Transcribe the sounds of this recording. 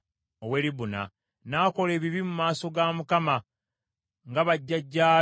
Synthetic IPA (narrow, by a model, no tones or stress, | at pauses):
owe̞ɾiβuna̰ | naːko̞le̞ːβiβimumaːso̞ɡaːmukama | ŋɡaβaɟːaɟːaː